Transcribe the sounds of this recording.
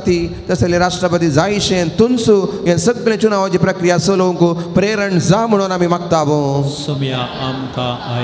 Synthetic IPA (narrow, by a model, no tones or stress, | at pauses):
t̪it̪ɐseleɾaːʂʈɾɐpɐt̪̬izaːɦiʃent̪unsujɐnsɐɡlẽt͡ʃunaːʋod͡ʒipɾɐkɾijasolouŋkupɾeːɾɐɳɖzaːmɐɳ̃õnɐmimɐk̚t̪aːʋõːsɐmjaaːmkaː